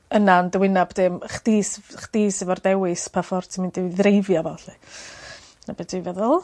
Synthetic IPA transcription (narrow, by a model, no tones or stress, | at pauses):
ənandəwɪnabd̥ɪmχd̥iːsχd̥iːsɪvɔrdɛwɨspʰafɔrtʰimɪndɪðrejvjavaɬi | nab̥ɛdivɛðʊlˠ